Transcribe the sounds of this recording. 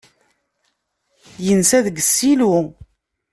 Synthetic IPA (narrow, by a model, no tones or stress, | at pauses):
jənsæðəɡəsːilu